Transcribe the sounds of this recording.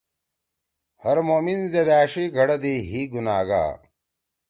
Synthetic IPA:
hɐɾmoːminzed̪aːʂiɡʱɐɽɐd̪iɦiːɡunaːɡa̰ː

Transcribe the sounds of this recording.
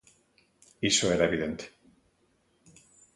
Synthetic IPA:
isoeɾaeβiðent̪e̥

